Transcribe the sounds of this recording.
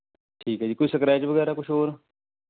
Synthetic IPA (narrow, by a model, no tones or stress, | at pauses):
ʈʰiːkɦɛːd͡ʒiːkoiːsəkɾaːjt͡ʃʋəɡɛːɾaːkʊʃʰɦoːɾ